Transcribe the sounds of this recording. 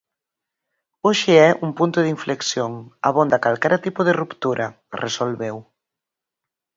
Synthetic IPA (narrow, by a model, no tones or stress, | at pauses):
oʃeɛʔumpunt̪ʊðiɱfleksjoŋaβ̞ond̪akalkɛɾat̪ipoðerupt̪uɾʔa | resolβew